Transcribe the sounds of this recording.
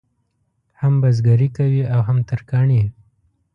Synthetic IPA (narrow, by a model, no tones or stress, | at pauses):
hambazɡaɾikawiawɦamt̪aɾkɑɳi